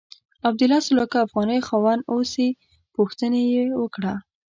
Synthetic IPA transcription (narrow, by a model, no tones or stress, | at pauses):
ab̚d̪ʊlɑsʊlɑkɑafɣɑnəjxɑwɑnosi | puxt̪ənejewəkɽa